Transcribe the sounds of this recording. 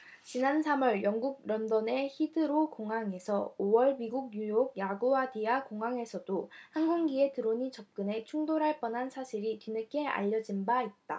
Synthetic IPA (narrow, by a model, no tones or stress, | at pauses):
t͡ɕinansʰamʌɭjʌŋɡuɡ̚ɾʌndʌne̞çidɯɾokoŋɦaŋe̞sʰʌowʌɭmiɡuɡ̚ɲujoɡ̚jaɡoadiakoŋɦaŋe̞sʰʌdohanɡoŋɡie̞tɯɾoɲit͡ɕʌp̚k͈ɯne̞t͡ɕʰuŋdoɾaɭp͈ʌnɦansʰaɕʰiɾitɥinɯk͈e̞a̰ʎːʌd͡ʑinbait̚t͈a̰